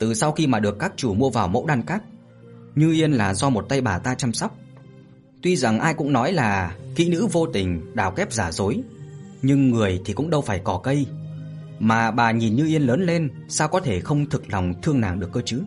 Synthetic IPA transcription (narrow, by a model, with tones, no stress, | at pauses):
t̪ɨ˨˩sa˧wxi˧maː˨˩ɗɨ˨˩əkːaː˦˥k̚t͡ɕu˧˩mu˧əvaː˨˩wmo̰˧˥wɗaː˧nkaː˦˥k̚ | ɲɨ˧ʔi˧ənlaː˨˩zɔ˧mo˨˩t̚t̪a˧jɓaː˨˩t̪aː˧t͡ɕa˧msɔ˦˥wk͡p̚ | t̪wi˧za˨˩ŋʔaː˧jkʊ̰˧˥ŋ͡mnɔ˨˦jlaː˨˩kḭ˧˥nɨ̰˧˥vo˧t̪ï˨˩ŋ̟ɗaː˧˩wkɛ˦˥p̚zaː˧˩zo˨˦j | ɲɨ˧ŋːɨ˨˩əjt̪ʰi˨˩kʊ̰˧˥ŋ͡mɗə˧wfaː˧˩jkɔ˧˩kə˧j | maː˨˩ɓaː˨˩ɲi˨˩nɲɨ˧ʔi˧ənləː˨˦nle˧nsaː˧wkɔ˨˦t̪ʰe˧˩xə˧wŋ͡mt̪ʰɨ˨˩k̚la˨˩wŋ͡mt̪ʰɨ˧əŋnaː˨˩ŋɗɨ˨˩əkːəː˧t͡ɕɨ˨˦